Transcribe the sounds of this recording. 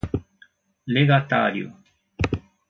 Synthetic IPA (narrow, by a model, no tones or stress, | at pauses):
leɡat̪a̰ːɾjo̰